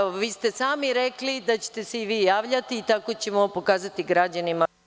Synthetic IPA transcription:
oʋiːst̪e̞saːmiɾe̞klid̪at͡ɕe̥t̪eseiʋiːjaːʋʎat̪iːt̪ako̞t͡ɕe̞mopo̞kaːzat̪iɡɾad͡ʑanima

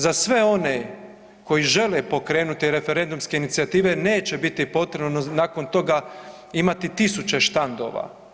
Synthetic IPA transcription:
zasʋe̞o̞ne̞ | ko̞jiʒe̞lepo̞kɾe̞ːnut̪iɾe̞fe̞ɾe̞nd̪umske̞init̪siat̪iːʋe̞ne̞ːt͡ɕe̞bit̪ipo̞t̪ɾebnnonako̞nt̪o̞ɡa | imat̪it̪isut͡ɕe̞ʃt̪and̪o̞ːʋa̰

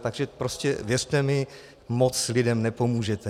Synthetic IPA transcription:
t̪aɡʒɛpɾoscɛ̰vjɛrt̪ɛmɪ | mot͡slɪdɛmnɛpo̞muːʒɛt̪ɛ

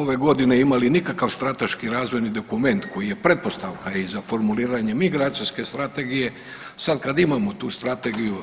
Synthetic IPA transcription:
o̞ʋe̞ɡo̞d̪ineimalinikakaʋst̪ɾat̪e̞ʃkiɾaːzʋo̞jnid̪o̞kume̞nt̪ko̞jije̞pɾe̞t̪̚po̞st̪aʋkaizafo̞ɾmuliːɾaɲe̞miɡɾat̪siske̞st̪ɾat̪e̞ɡije̞ | sad̪kad̪imamo̞t̪uːst̪ɾat̪e̞ɡiju

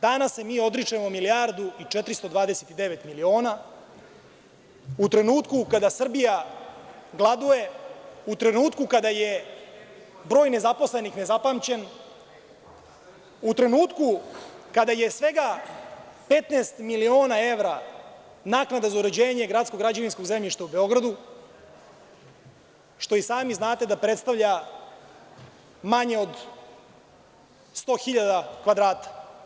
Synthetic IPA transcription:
d̪anasːemiːo̞d̪ɾit͡ʂemo̞milijaɾd̪uit͡ʂet̪ɾist̪o̞d̪ʋaːd̪e̞set̪id̪eʋet̪milio̞ːna | ut̪ɾe̞nuːt̪kukad̪asr̩bija | ɡlˠad̪uje̞ut̪ɾe̞nuːt̪kukad̪aje | bɾo̞ːjne̞zapo̞sle̞nixne̞zapamt͡ɕe̞n | ut̪ɾe̞nuːt̪kukad̪ajesʋe̞ɡa | pe̞t̪neːst̪milio̞ːnae̞ʋɾa | naːknad̪azauɾed͡ʑeːɲe̞ɡɾat̪sko̞ɡɾad͡ʑaʋinsko̞ɡzemʎiʃt̪aube̞o̞ɡɾad̪u | ʃt̪o̞isaːmiznaːt̪e̞d̪apɾet̪st̪avʎa | maɲe̞o̞d̪ | st̪o̞ːxiʎad̪akʋad̪ɾaːt̪ḁ

